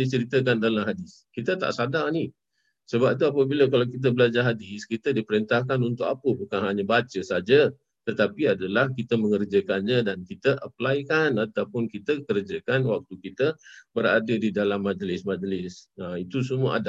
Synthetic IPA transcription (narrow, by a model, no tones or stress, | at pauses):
it͡ʃəɾit̪əkandalamɦadɪs | kit̪ət̪a̰ʔsadaŋni | səbap̚t̪̬uapəbiləkalawkit̪̬əbəlad͡ʒaɦadɪskit̪ədipəɾint̪ahkanunt̪ʊkapəbukanɦaɲabat͡ʃəsad͡ʒə | t̪ət̪apiadalahkit̪əməŋərd͡ʒəkanɲadankit̪əʔəplajkanat̪awpʊnkit̪əkərd͡ʒəkanwak̚t̪ukit̪əbəɾa̰dədidalamːad͡ʒlɪsmad͡ʒlɪsəit̪usəmuə̰ʔada